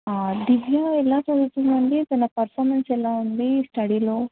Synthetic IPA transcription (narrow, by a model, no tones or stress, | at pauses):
d̪iʋjaɛlaːt͡ʃɐɽut̪und̪ɐɳɖit̪ɐnːɐpɐɾpʰaːɾmensɛlaːund̪isʈɐɽiloː